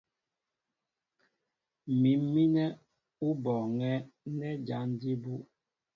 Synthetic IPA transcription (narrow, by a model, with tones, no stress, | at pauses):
mi˨m˦mi˦nɛ˦ | u˦bɔ˨ŋɛ˦nɛ˦d͡ʒa˨˦n˦di˦bu˦